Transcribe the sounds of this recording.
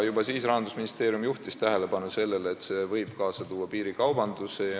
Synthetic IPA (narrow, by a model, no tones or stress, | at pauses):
jubɑsiːsrɑɦɑnd̪usminist̪e̞ːɾjumjuht̪ist̪æɦele̞bɑnuse̞lːe̞lːt̪se̞vɤjb̥kɑːsɑt̪uːɑpiːɾikɑwbɑnd̪̥use